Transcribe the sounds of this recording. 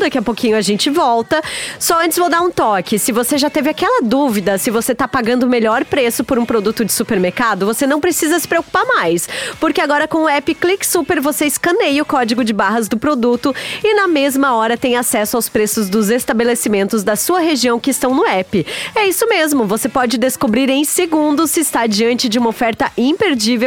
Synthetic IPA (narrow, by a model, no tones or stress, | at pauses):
d̪akiɐpokʰĩɲʊɐʒẽnt͡ʃɪvɔwt̪ɐsɔɐ̃t͡ʃɪzvowd̪aɾũt̪ɔkɪsɪvoseʒat̪evɪakɛlɐd̪uvid̪ɐsɪvoset̪apaɡɐ̃nd̪ʊmeʎɔɾpɾesʊpoɾũpɾod̪ut̪ʊd͡ʒɪsupeɾmeɾkad̪ʊvosenɐ̃w̃pɾesizɐsɪ̥pɾeoku̥paɾmajspoɾkeaɡɔɾɐkõw̃ʊɛpɪkliksupeɾvoseɪskɐ̃nejʊkɔd͡ʒɪɡʊd͡ʒɪbaɦɐzd̪ʊpɾod̪ut̪ʊɪnɐmezmɐɔɾɐt̪ẽj̃asɛsʊawspɾesʊzd̪ʊzest̪abelesimẽnt̪ʊzd̪ɐsuɐɦeʒiɐ̃w̃kɪːst̪ɐ̃w̃nʊɛpɪɛisʊmezmʊvosepɔd͡ʒɪd̪eskobɾiɾẽj̃seɡũnd̪ʊsɪːst̪ad͡ʒiɐ̃nt͡ʃɪd͡ʒɪũmɐofɛɾt̪ɐʔĩpeɾd͡ʒivew